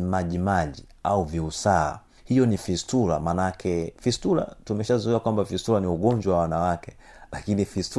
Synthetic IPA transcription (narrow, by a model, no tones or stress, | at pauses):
maʄimaʄi | auviusa̰ː | hijɔnifistula̰manakʰɛfistula̰tumɛʃazuiakwambafistuɾaniuɠɔɲd͡ʒwawawanawakɛ | lakinifistu